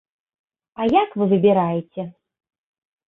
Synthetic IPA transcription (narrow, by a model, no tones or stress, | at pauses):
ajakvɨvɨbʲɛɾajɛt͡sʲɛ